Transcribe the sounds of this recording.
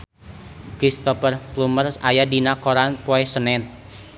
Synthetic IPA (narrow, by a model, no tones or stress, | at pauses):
kɾist̪ɔpərplumərsajadinakoɾanpoɛsənɛt̪̚